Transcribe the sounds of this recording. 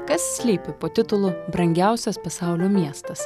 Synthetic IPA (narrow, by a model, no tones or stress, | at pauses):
kɐssʲlʲiːpʲɪpoːt̪ʲɪt̪ʊlˠʊbɾɐŋʲɡʲæˑʊsʲɛspɐsɑˑʊlʲoːmʲiɛst̪ɐs